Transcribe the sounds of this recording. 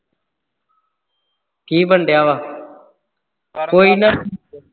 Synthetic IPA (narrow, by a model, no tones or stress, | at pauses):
k̪iːbʱəɳɖʱjaːʋaː | koːiːnaː